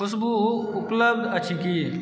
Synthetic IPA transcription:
ʊsbuʊpləbd̪ɐt͡ʃʰiki

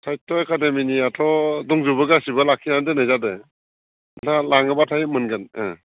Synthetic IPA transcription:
tʰaj̚tɔekademiniatʰɔdɔŋzubɯɡasibalakʰːinandenajzade | talaŋɯbatʰaj̚mɯnɡɯnɛ̰

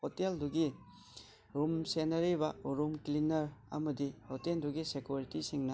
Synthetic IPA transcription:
otelduɡi | ɾumsenɐɾibɐuɾumklinɐɾɐ̰mɐdilotenduɡisekjuɾitisiŋnɐ

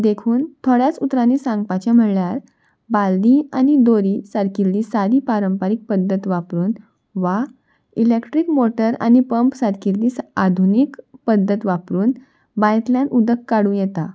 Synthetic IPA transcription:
d̪ekʰuːnt̪ʰoɽjat͡sut̪ɾãnːisãŋɡpat͡ɕam̤əɽɭjaɾ | bald̪ianid̪oɾisaɾkiɾliːsaɾiːpaɾəmpaɾik̚pəd̪ʱːət̪ʋapɾuːn | ʋa | ilekʈɾiːkmoʈəɾa̰nipəmpsaɾkiɾliːsad̪ʱunikpəd̪ʱːət̪ʋapɾuːn | bajt̪ljanʔud̪əkːaɽũːjet̪a

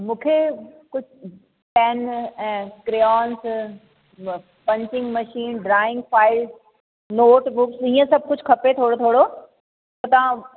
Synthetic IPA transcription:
mũːkʰekʊd͡ʑʱ | pɛːnɛ̃ːkɾeɔːns | pɐ̃ɲt͡ɕɪ̃ŋɡmɐʃiːnɖɾaːɪ̃ŋɡfaːɪlz | noːʈbuːpsĩːə̃sɐb̚ʱkʊd͡ʑʱkʰɐpet̪ʰoːɽot̪ʰoːɽo | tɐt̪ɐʋã

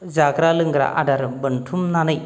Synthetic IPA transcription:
zaɡɾalɯŋɡɾa̰ʔa̰ɖaɾbɐntʰumnanɐj

